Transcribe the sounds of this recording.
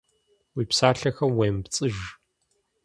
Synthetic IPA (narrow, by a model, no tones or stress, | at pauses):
wiːpsaːɬɐxɐmweːmpt͡sʼɨʒ